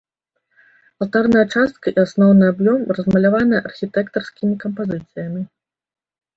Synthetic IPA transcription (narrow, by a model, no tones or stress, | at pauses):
ɐlˠt̪arnɐjɐt͡ʂast̪̚kɐʔiasnɔwnɨabjɔmrɐzmɐlʲavanɐjɛɐʔɐrxʲit̪ɛkt̪ɐrskʲimʲikɐmpazɨt̪sɨjɐmʲi